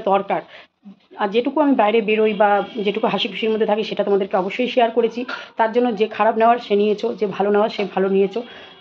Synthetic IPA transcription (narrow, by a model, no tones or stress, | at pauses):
d̪ɔɾkaɾ | aɾd͡ʑeʈukuamibajɾebeɾojbad͡ʑeʈukuɦaʃibʱuʃiɾmod̪ʱːet̪ʰakiʃeʈat̪omad̪eɾkeɔboʃːojʃiaɾkoɾet͡ɕʰit̪aɾd͡ʑonːod͡ʑekʰaɾabneoaɾʃenijet͡ɕʰod͡ʑebʱaloneoaɾʃebʱalonijet͡ɕʰo